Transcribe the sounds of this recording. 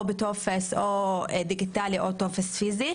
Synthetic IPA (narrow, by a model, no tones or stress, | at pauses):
bet̪ofesʔod̪iɡit̪aːliʔot̪ofesfiːzi